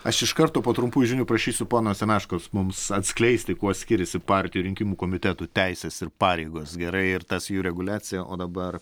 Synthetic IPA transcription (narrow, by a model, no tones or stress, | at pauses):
ɐʃɪʃkɐɾt̪oːpoːt̪ɾʊmpuːjʒʲɪnʲʊpɾɐʃʲiːsʲʊpoːnoːsʲɛnɑːʃkoːsmʊmsɐt̪ʲsʲklʲɛɪsʲt̪ʲɪkuɔsʲkʲɪɾʲɛsʲɪpɑɾʲt̪ʲɪjuɾʲɪŋʲkʲimuːkoːmʲɪt̪ʲɛt̪uːt̪ʲɛɪsʲɛsɪɾpɑːɾʲɛɪɡoːsɡʲɛɾɐɪɪɾt̪ɐsjuːɾʲɛɡʊlʲæːt͡s̪ʲɪjɛʔoːd̪ɐbɐr